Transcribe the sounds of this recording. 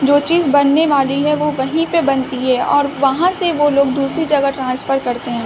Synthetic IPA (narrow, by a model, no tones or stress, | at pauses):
d͡ʒoːt͡ʃiːzbɐnːeʋaːliɦɛʋoʋɐɦĩpebɐnt̪iɦɛːɔːɾʋɐɦãseʋoloːɡ̚d̪uːsɾid͡ʒɐɡaʈɾãːnsfəɾkɐɾt̪eɦɛ̃ː